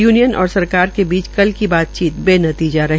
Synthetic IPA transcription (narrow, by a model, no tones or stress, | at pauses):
juːnijənʔɔ̰ːɾsɐɾkaːɾkebiːt͡ʃkɐlkibaːt̪̚t͡ʃiːt̪beːnɐt̪iːd͡ʒaɾɐɦ